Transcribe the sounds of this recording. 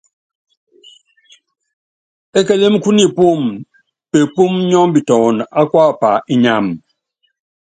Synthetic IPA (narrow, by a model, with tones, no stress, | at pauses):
ɛ˦kɛ˦le˦m˦ku˦ni˦˨pu˦˨m | pe˨pu˦mɲɔ˦m˦bi˨tɔ˨na˦kwa˦˨pa˨ʔi˦ɲa˦˨m